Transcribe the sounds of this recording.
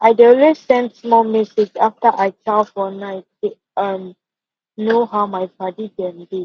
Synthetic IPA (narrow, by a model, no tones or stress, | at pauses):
ʔajdeɔlwessɛ̃ndsmɔlmɛsed͡ʒaftəʔajt͡ʃʰalfɔnajte | ʌ̃m | noɦawmajbadidɛ̃ndi